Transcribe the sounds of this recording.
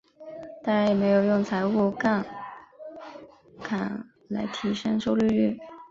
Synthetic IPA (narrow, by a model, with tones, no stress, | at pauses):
t̪ɑ˥ŋɻa˧˥njɛ˨˩me˧˥ɪjo˨˩ʊjʊ˥˩ŋt͡sʰa˧˥ɪu˥˧ka˥˩n | kʰa˨˩n | la̰˧˥ɪt̪ʰi˧˥ʂə˥ŋʂo˥˧ʊly˥˧y˥˩